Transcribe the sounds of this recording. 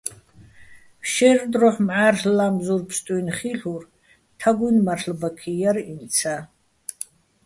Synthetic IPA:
ʃɛrd̪rɔħmʕarɬlamzurpʰst̪ʼunχiɬur | t̪ʰaɡʷunmarɬbakʰijarimt͡sʰa

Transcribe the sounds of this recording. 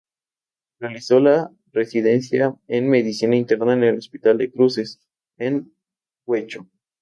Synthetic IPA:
realiso̞la | re̞siðe̞nsjaenme̞ðisinaint̪e̞ɾnaene̞lo̞spit̪ald̪e̞kɾuse̞s | en | wet͡ʃo

